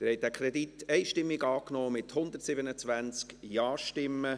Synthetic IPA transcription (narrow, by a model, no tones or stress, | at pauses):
ɪɾhɛjt̚dæːkʰɾɛd̪itːɛɪʃtɪmːɪɡɑːknɔːmɪt̪hʊnd̪ətsɪbənət͡sʋænt͡skjɑːʃtɪmːə